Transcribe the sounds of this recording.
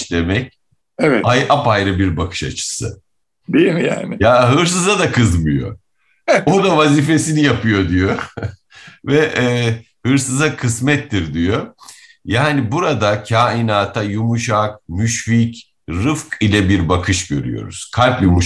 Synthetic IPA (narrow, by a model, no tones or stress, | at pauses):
lemɛc̚ | ɛvɛajʔapajɾɯbiɾbakʰɯ̥ʃat͡ʃʰɯ̥sɯ | d̪ejmja̰ːnɪjaɦɯɾs̬ɯzad̪akʰɯzmɯjo̞̰ | od̪avaziːfe̞sinijapʰɯjo̞d̪ijo | vɛʔɛː | hɯɾsɯzakʰɯsmɛt̪ːiɾd̪ijo | jaːnibuɾad̪acʰaːinaːt̪ʰajumuʃak̚myʃfic | ɾɯfkilʲɛbiɾbakʰɯʃɟø̞̰ɾy̰jo̞̰ɾṵz̥kʰalʲpjumuʃ